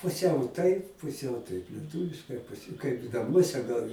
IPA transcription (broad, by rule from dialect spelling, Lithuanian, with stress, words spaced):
pʊˈsʲɛʊ tɐɪp pʊˈsʲɛʊ tɐɪp lʲiɛˈtuːʋʲɪʃkɐɪ kɐɪp nɐˈmuɔsʲɛ ɡɐlˠ